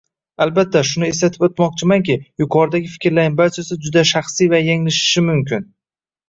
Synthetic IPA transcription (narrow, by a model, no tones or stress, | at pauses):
albat̪ʰːaʃʊnɪeslat̪ʰɪ̥pot̪mɒq̚t͡ʃʰɪmaŋkʲɪjʊkʰɒɾd̪aɡʲɪfɪ̥kʲɾlaɪbaɾt͡ʃʰasɪd͡ʒʊd̪aʃaχsijvajaŋlɪʃɪ̥ʃɪmʊmkʲʰɪn